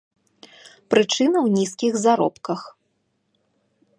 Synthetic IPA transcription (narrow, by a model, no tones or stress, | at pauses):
pɾɨt͡ʂɨnɐwnʲiskʲiɣzaɾɔ̰pkɐx